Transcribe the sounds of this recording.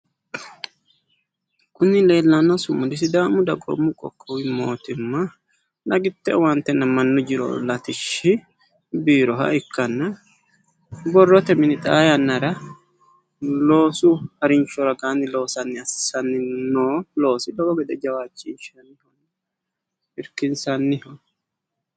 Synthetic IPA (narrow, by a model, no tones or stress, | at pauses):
kʼʊnːɪle̞ːlːɐnːɐsʊmːʊd̪ɪsɪd̪aːmʊd̪ɐɡʼɔ̰mːʊkʼɔ̰kʼːɔwɪmoːt̪ɪmːɐ | nɐɡɪt̪ːɛwɐnt̪ːɛnːɐmɐnːɔd͡ʒɪɾɔ̰lɐt̪ɪʃɪ | biːɾɔɦɐ̰ɪkːɐnːɐ | bɔrːɔt̪ɛmɪnɪt̪ʼaːjɐnːɐɾɐ | lo̞ːsʊhɐɾɪnt͡ʃːɔɾɐɡaːnːɪlo̞ːsɐnːɪɐsɪ̥sɐnːɪnoːlo̞ːsɪd̪ɔbɔɡɛd̪ɛd͡ʒɐwaːt͡ʃʼːɪnʃɐnːɪhɔn | ɪɾkɪnsɐnːɪhɔ